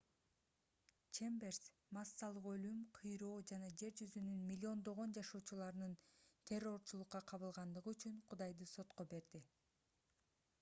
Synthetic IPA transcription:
t͡ʃembers | masːɑlˠɯqø̞lymqʰɯjɾo̞ːd͡ʒɑnɑd͡ʒe̞ɾd͡ʒyzynynmʲilʲːio̞nd̪o̞ʁo̞nd͡ʒɑʃo̞ːt͡ʃulˠɑɾɯnɯnt̪ʲʰe̞rːo̞ɾt͡ʃulˠuqːɑqʰɑβɯlˠʁɑnd̪ɯʁɯyt͡ʃyɴqʰud̪ɑjd̪ɯso̞t̪qo̞be̞ɾd̪i

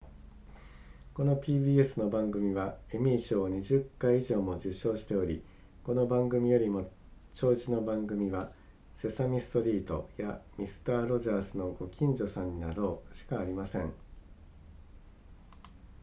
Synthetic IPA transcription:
ko̞no̞pʲiːbiːe̞sɨno̞bãŋɡɯ̟mʲiβaemʲiːɕoːɲ̟iʑɨkːaiiʑo̞ːmo̞ʑɨɕːo̞ːɕi̥t̪e̞o̞ɾʲi | ko̞no̞bãŋɡɯ̟mʲijo̞ɾʲimo̞ | t͡ɕo̞ːʑino̞bãŋɡɯ̟mʲiβa | se̞samʲisɨ̥t̪o̞ɾʲiːt̪o̞̰jamʲisɨ̥t̪aːɾo̞ʑaːsɨno̞ɡo̞kʲĩɲ̟d͡ʑo̞sãɲ̟ːinaɾo̞ːɕi̥kaːɾʲimasẽ̞̰ɴ

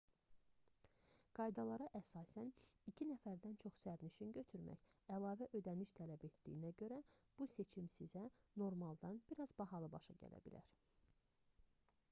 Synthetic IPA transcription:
ɡ̥ɑjd̪ɑlˠɑɾɑʔæsɑːsænicʰinæfæɾd̪ænt͡ʃʰo̞χsæɾniʃinɟø̞t̪ʰyɾmæ̰çælˠɑːvæʔø̞d̪æniʃt̪ʰælæbe̞t̪d̪ḭːnæɟø̞ɾæb̥use̞t͡ʃʰimsizæno̞ɾmɑlˠd̪ɑnb̥iɾɑzbɑɦɑlˠɯbɑʃɑ̰ɟæ̰læ̰bḭlæ̰ɾ

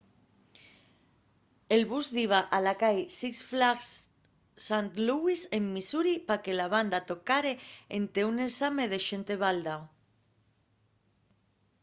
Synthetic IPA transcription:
elβuzðiβ̞aʔalakajsiksflaks | sant̪luisemːisuɾipake̞laβ̞and̪at̪okaɾeent̪eunesameð̞eʃent̪e̞β̞ald̪aw

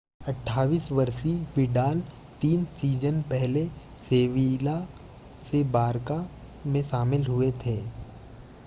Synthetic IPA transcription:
ɐʈʰːaːʋiːsʋɐɾsibɪɖaːl | t̪iːnsiːd͡ʒənpɛɦle | seːʋila | sebaːɾka | mẽʃaːmɪlɦʊet̪ʰeː

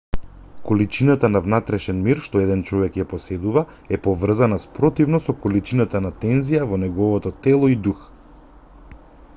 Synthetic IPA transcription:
kolit͡ʃinat̪anavnat̪ɾɛʃɛnmiɾʃt̪ɔɛd̪ɛnt͡ʃɔvɛkjapɔsɛd̪uva | ɛpɔvr̩zanaspɾɔt̪ivnɔsɔkɔlit͡ʃinat̪anat̪ɛnzijavɔnɛɡɔvɔt̪ɔt̪ɛlˠɔid̪ux

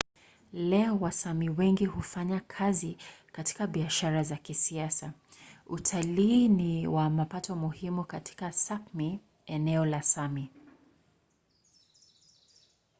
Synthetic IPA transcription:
lɛɔwasamiwɛŋɡihufaɲakʰazikati̥kaɓiaʃaɾazakisiasautʰaliːniwamapatʰɔmuhimukatʰi̥kasapmi | ɛnɛɔlasami

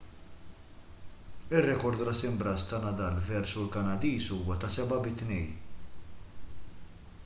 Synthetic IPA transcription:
ɪrːɛkɔɾd̪ɾɐsɪmbɾɐst̪ɐnɐd̪ɐlvɛɾsulkɐnɐd̪iːsuːwɐt̪ɐsɛbɐbɪt̪nɛj

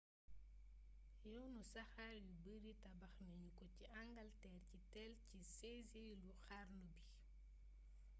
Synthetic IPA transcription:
jɔwnusɐxaɾjubəɾitɐbɐxnɐɲukɔciʔaŋɡɐltɛːrcitɛlciseziluxarlubi

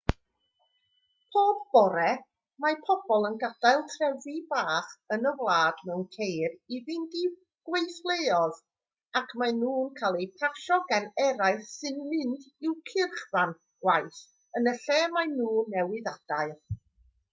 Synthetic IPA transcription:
pʰoːb̚bɔɾɛ | mapʰɔb̥ɔlˠənɡad̥ajlˠtʰrɛvibaːχənəvlˠaːdmɛwnkʰejrivɪndi | ɡ̥wejθlˠejɔð | akʰmanuːnkʰaːlˠejpʰarʃɔɡanɛɾaɨθsɨnmɪndɪwkʰɪrχvan | ɡ̥wajθ | ənəɬɛːmajnuːnːɛwɪðad̥aɨ

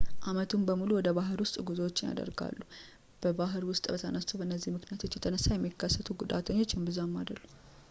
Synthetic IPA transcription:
ʔamət̪ʰumbəmuluwɔd̪əβaɦɨɾwʊst̪ʼɡuzowo̞t͡ʃːɪnja̰d̪ə̰ɾɡa̰lːu | b̥əbaɦɨɾwʊst̪ʼbət̪ʰənəst͡ʃ̪ːubəɨnːəzːihmɨknijat̪ʰo̞t͡ʃːjɛt̪ʰənəsːajɛmːikʰːəsːət̪ʰuɡud̪a̰t̪ʰəɲːo̞t͡ʃːjɪmbɨzamːad̪əlːu

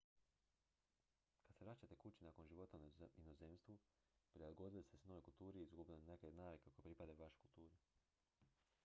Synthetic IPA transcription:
kad̪seɾat͡ɕat̪e̞kut͡ɕinako̞nʒiʋo̞t̪ainozemst̪ʋu | pɾilɡod̪ilist̪esnoojkulˠt̪uːɾiizɡubilonekenaːʋikekojepɾipad̪ajuʋaʃe̥kulˠt̪uːɾe

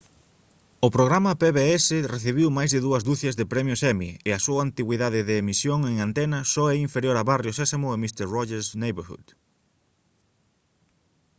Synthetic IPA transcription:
ʊpɾoɣɾamɐpeβeɛsɪreθiβ̞iwmajzðɪðuɐzd̪uθɐzðepɾɛmjʊsɛmiɪɐsuaːnt̪iɣwiðaðɪðeːmisjoŋeŋant̪ɛnɐsɔɛiɱfeɾjoɾaβarjʊsɛsamʊemist̪eɾrɔʝeɾsnejβeɾxṵð

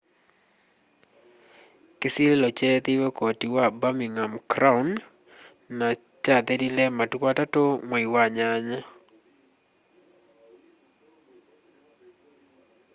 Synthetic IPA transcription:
kɪsillɔt͡ʃɛt̪iwɔkotiwabamiŋamkɾaunː | a | t͡ʃad̪ɛdilɛmatwatatomɔiwaɲaɲa

